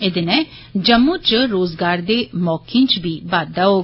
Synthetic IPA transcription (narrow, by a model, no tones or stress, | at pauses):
ɪd̪enɛ̃ː | d͡ʒəmːõːt͡ʃɾoːzɡaːɾd̪eːmɔːkʰĩːnt͡ʃbiːbaːd̪ːaːɦoː